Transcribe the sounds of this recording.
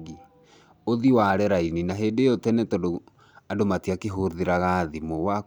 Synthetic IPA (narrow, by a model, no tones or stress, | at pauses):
ɣi | oðiwaɾɛɾaininaɦeːndejɔtɛnɛtodo | adomatiakeɦoðeɾaɣaðimowa